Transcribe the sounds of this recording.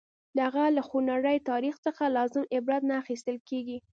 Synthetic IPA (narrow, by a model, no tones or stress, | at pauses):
d̪əaɣalaxunaɾəjt̪ɑɾixt͡səxalɑzɪmɪbɾɑd̪naːxist̪əlkeɡi